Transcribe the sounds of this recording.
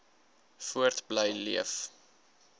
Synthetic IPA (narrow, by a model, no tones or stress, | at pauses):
fuərtbləjlḭəf